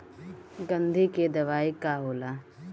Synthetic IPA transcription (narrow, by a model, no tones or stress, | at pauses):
ɡɐ̃nd̪ʱiked̪ɐʋaːikaɦoːlaː